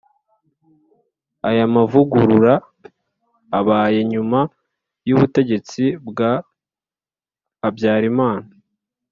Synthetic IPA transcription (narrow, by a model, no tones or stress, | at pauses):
ajamavuɡuɾuɾa | βaːje̞ɲuma | juβute̞ɟe̞t͡sibɡa | bjaːɾimaːna